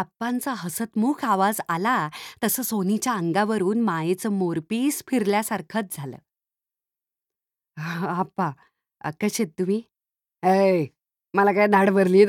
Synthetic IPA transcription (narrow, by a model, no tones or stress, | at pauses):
apːant͡saɦəsət̪mukʰaʋad͡zalat̪əsəːsonit͡ɕjaəŋɡaʋəɾuːnmajet͡səːmoɾpiːspʰiɾljasaɾkʰət̪̚d͡zʱalə̰ː | apːa | kəɕet̪̚t̪um̤iː | əj | məlakainaɽʋəɾliː